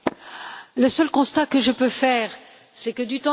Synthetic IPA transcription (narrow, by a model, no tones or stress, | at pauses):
ləsœlkɔ̃st̪akəʒəpøfɛːʁ | sɛkəd̪yt̪ɑ̃